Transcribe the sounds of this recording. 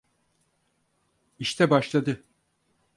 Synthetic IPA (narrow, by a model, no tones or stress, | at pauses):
iʃt̪ʰɛbaʃlˠad̪ɯ